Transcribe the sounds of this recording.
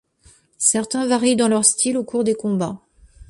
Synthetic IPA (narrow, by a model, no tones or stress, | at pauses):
sɛʁt̪ɛ̃vaʁid̪ɑ̃lœʁst̪ʰilokuʁd̪ekɔ̃ba